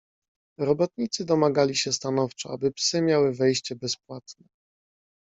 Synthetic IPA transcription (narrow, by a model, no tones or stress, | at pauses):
ɾɔbɔt̪ɲit̪sɘd̪ɔmaɡalʲiɕɛst̪anɔft͡ʂɔabɘpsɘmʲjawɘvɛjɕt͡ɕɛbɛspwat̪nɛ